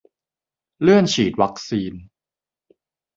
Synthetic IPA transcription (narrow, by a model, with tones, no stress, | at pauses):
lɯ˥˩ənt͡ɕʰiː˨˩t̪̚wa˦˥k̚siː˧n